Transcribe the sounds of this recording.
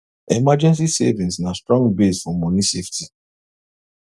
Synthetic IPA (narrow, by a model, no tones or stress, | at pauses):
emad͡ʒɛ̃ns̬isḛvĩnsnastɹɔ̃ŋɡbesfɔ̃mɔ̃nisefti